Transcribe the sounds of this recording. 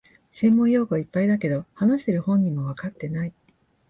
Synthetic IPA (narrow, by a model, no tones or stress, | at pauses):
sẽ̞mːõ̞ɰjo̞ːkɯaipːaid̪ake̞d̪o̞hanaɕi̥t̪e̞ɾɯ̟hõ̞ɲ̟ːimo̞βakat̪ːe̞nai